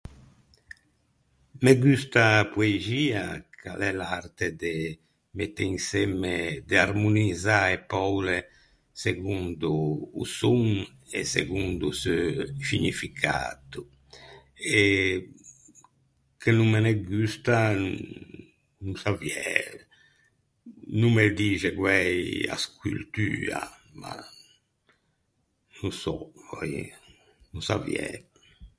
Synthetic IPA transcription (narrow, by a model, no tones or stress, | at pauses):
meɡyst̪apueziːakʰa̰lɛlart̪ed̪e | met̪eiŋsɛmed̪earmunizaepɔwle | seɡund̪ṵːsuŋ | ḛsḛɡund̪usøsiɲifikʰa̰t̪u | ɛ | kʰenummːenɛɡyst̪an | nusavjɛ | nummed̪iːd͡ʒɛɡwɛja̰skʰult̪yːa̰ma̰ | nusɔvɔj | nusavjɛ